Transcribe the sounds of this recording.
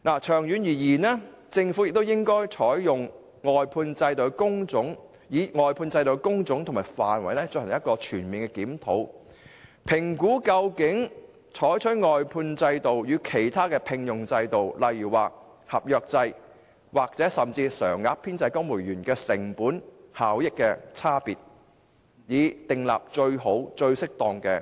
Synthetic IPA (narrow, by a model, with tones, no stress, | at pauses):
naː˨˩t͡ʃʰœː˨˩ŋjy˨˧njiː˨˩jiː˨˩nɛː˥ | t͡sɪ˧ŋfuː˨˥jɪ˨k̚t̪wjɪ˥ŋkɔː˥jt͡ʃʰɔː˨˥jjʊ˨˩ŋ | ŋɔː˨jpʰuː˧nt͡sɐ˧jt̪o˨˧wkʊ˥ŋt͡sʊ˨˥ŋ | jiː˨˥ŋɔː˨jpʰuː˧nt͡sɐ˧jt̪o˨˧˩wkʊ˥ŋt͡sʊ˨˥ŋt̪ʰmaː˨˩jfa̰ː˨nwɐ̰˨˧jnɛː˥t͡sɵ˧hɐ˨˩jɐ˥t̚kɔː˧t͡ʃʰyː˨˩nmiː˨nkɛ˧kiː˨˥mt̪ʰo̰˨˥w | pʰɪ˨˩ŋkuː˨˥kɐ˧wkɪ˨˥ŋ | t͡ʃʰɔː˨˥jt͡ʃʰɵ˨˥tŋɔː˨jpʰuː˧nt͡sɐ˧jt̪o˨wjyː˨˧kʰe˨˩jt̪ʰaː˥kɛː˧pʰɪ˧ŋjʊ˨ŋt͡sɐ˧jt̪o˨wlɐ˨jjyː˨˩waː˨ | hɐ˨p̚jœː˧k̚t͡sɐ˧j | waː˨k̚t͡sɛː˨˥sɐ˨˩mt͡siː˧sœː˨˩ŋːaː˧k̚pʰiː˥nt͡sɐ˧jkɔ˥ŋmuː˨˩jyː˨˩nkɛː˧sɪ˨˩ŋpuː˨˥nhaː˨˥wjɪ˥kːɛː˧t͡sʰaː˥piː˨t̚ | jiː˨˧t̪ɪ˨ŋla̰ː˨p̚t͡ʃɵ˧ɥɦo˨˥wt͡ʃɵ˧ɥsɪ˥k̚t̪ɔː˧ŋkɛː˧